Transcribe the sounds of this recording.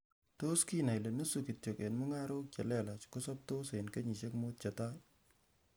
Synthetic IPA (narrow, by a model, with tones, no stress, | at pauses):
to˦ski˦na˨jleno˦suki˨tjo˨ke˨nmu˦ŋa˦ɾo˦k̚t͡ʃa˨lɛ˦la˨t͡ʃkosɔ˦p̚to˦senke˦ɲi˨ʃe˦kmot̚t͡ʃata˦